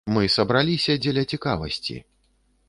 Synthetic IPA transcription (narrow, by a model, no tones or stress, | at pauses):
mɨsɐbɾalʲisʲɐd͡zʲɛlʲɐt͡sʲikavɐ̰sʲt͡sʲḭ